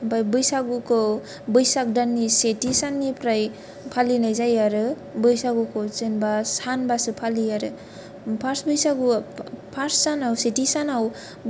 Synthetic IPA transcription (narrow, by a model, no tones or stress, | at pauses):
bajbɯjsaɡukʰɔ | bɯjsak̚danːisetisanːipʰɾaj | pʰalinajzajaɾɯ | bɯjsaɡukʰɔzenbasanbasɯpʰaliaɾɯ | pʰaɾsbɯjsaɡupʰaɾsːanawsetisanaw